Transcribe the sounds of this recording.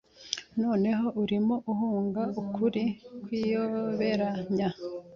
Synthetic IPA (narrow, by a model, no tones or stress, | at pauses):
noːne̞ɦo̞ʔuɾimo̞ʔuhuːŋɡaʔukʰuɾikwiːjoβe̞ɾaɲa